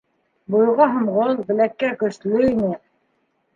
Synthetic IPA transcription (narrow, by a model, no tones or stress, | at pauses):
bujʁɑɦɤ̆mʁolˠbɘ̆lækːækɵ̆ʃlɵinɘ